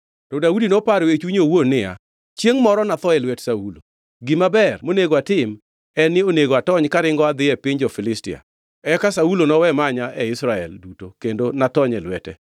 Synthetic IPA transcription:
tɔdaudinopaɾwet͡ʃwiɲowonɪja̰ | t͡ʃjeŋmɔɾɔnat̪ɔɛlwɛtsaulo̰ | ɡɪmabɛrmoneɡoatɪm | ɛnːɪoneɡoatɔɲkaɾɪŋɡɔad̪ɪɛpɪɲd͡ʒɔfɪlɪstɪ̰a̰ | ɛkasaulonɔwɛmaɲaʔɛɪsɾaɛ̰ldutokendonatɔɲɛlwɛtɛ

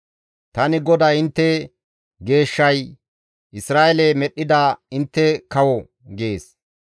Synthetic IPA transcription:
t̪ɐnɪɡɔd̪aɪnt̪ːɛ | ɡe̞ːʃːɐj | ʔɪsɾaːʔɛlɛmɛɗːɪd̪aːɪnt̪ːɛkɐwɔ | ɡeːs

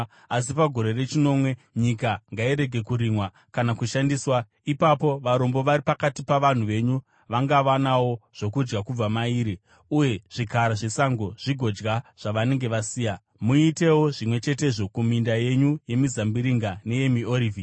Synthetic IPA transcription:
as̬ipaɡʱo̞ɾe̞re̞t͡ʃino̞mwe̞ | ɲikaŋɡaiɾe̞ɡʱe̞kuɾimwa | kanakuʃandiːswa | ipapo̞ʋaɾo̞mbo̞ʋaɾipakatipaʋan̤uʋe̞ɲu | ʋaŋɡaʋanawo̞ʐ̥o̞kud͡ʒɡakub͡vamaiːɾi | uje̞ʐ̥ikaɾaʐe̞saŋɡo̞ʐ̥iɡʱo̞d͡ʒɡaʐ̥aʋane̞ŋɡe̞ʋasiːja | muite̞wo̞ʐimwe̞t͡ʃe̞te̞ʐo̞kumindaje̞ɲuje̞mizambiɾiŋɡane̞je̞mioɾiːvi

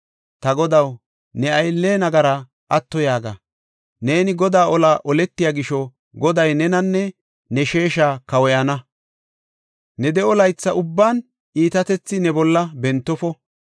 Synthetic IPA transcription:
t̪ɐɡɔd̪ɐw | nɛɐjlːeːnɐɡɐɾɐ | ʔɐt̪ːɔjaːɡɐ̰ | ne̞ːnɪɡɔd̪aːʔɔlaːʔɔlɛt̪ːɪjaːɡɪʃɔ | ɡɔd̪ɐjnɛnɐnːɛ | nɛʃe̞ːʃaːkɐwɔjɐnɐ | nɛd̪ɛɔlɐjt͡sːɐʔʊbːaːn | iːt̪ɐt̪ɛt͡sːɪnɛbɔlːɐbɛnt̪ːɔfɔ

